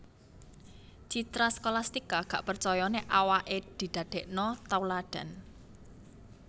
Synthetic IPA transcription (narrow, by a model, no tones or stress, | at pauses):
t͡ʃit̪ɾaskolast̪ikaɡ̥aʔpərt͡ʃɔjɔneʔawaʔed̪̥i̤d̪̥ä̤d̪̥ɛ̤ʔnɔt̪awlaɖ̪̥a̤n